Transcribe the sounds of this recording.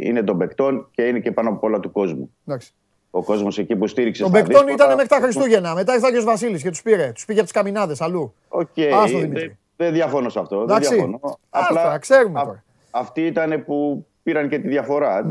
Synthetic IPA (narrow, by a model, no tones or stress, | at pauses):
ḭne̞t̪o̞be̞kt̪o̞nce̞inecepɐnopolɐt̪uko̞zmud̪ɐksi̥ | o̞ko̞zmo̞secipust̪iɾiksetobekt̪o̞nit̪ɐnemeɾit̪ɐxɾist̪uʝe̞nɐmet̪ɐefθɐʝeozvɐsilisce̞t̪uspiɾe̞t̪u̥spiʝeɐpt̪i̥skɐminɐðe̞sɐlu | oceɐsoðimi | ðeðʝɐfo̞nosɐft̪o̞ðd̪eɐkðsɐionoɐlɐɐkse̞ɾumeoɾɐ | ɐft̪iit̪ɐne̞pupiɾɐnce̞t̪iðʝɐfo̞ɾɐ